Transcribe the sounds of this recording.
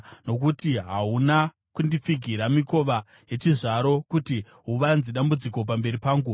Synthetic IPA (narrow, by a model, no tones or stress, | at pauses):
no̞kutiɦauna | kundip͡fiɡʱiɾamiko̞ʋa | je̞t͡ʃiʐaɾo̞kuti | ɦuʋanziɗambud͡ziko̞p̬ambe̞ɾipaːŋɡu